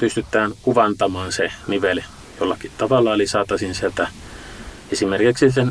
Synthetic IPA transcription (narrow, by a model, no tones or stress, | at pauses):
pyst̪yt̪ːˑæːnkuʋɑnt̪ɑmɑːnseniʋel | jolːɑkit̪ɑʋɑlːˑɑolisɑːt̪ɑsinsielt̪æ | esimerkiksisen